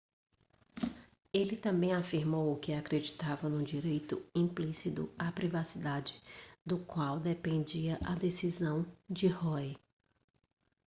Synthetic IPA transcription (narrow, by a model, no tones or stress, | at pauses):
elɪt̪ɐ̃mbẽj̃afiɾmowʊkɪakɾed͡ʒit̪avɐnʊ̃d͡ʒiɾejt̪ʊĩplisit̪ʊ̰apɾivasid̪ad͡ʒɪd̪ʊkwawd̪epẽnd͡ʒiɐʔɐd̪esizɐ̃w̃d͡ʒɪhɔj